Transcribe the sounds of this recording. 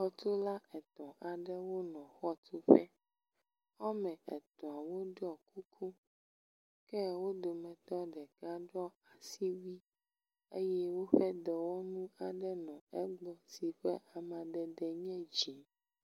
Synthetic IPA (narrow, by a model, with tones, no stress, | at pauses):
xɔ˦t̪o˦la˦ʔɛ˨t̪ɔ̃˨ʔa˨ɖɛ˦wo˦nɔ̃˨xɔ˦t̪ʰo˦ɸɛ˦ | ɔ˦mɛ̃˨ɛ˨t̪ɔ̃˨a˨wo˦ɖɔ˨kʰu˦kʰu˦ | kɛ˦wo˦d̪o˨mɛ̃˨t̪ɔ̃˦ɖɛ˨ka˦ɖɔ˦a˨si˦wi˦ | ḛ˦jɛ˦wo˦ɸɛ˦d̪ɔ˨wo˦nũ˦a˨ɖɛ˦nɔ̃˨ɛ˦ɡ͡bɔ˦si˨ɸɛ̰˦ʔa˨mã˨ɖɛ˨d̪ɛ˨ɲɛ̃˦d͡ʒi˨˦